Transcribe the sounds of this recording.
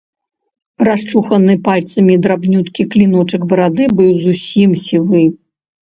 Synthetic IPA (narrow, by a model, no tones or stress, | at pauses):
raʂt͡ʂuxɐnɨpalʲt̪sɐmʲid̪ɾabnʲut̪kʲiklʲinɔt͡ʂɨɡbɐɾad̪ɨbɨwzusʲimsʲivɨ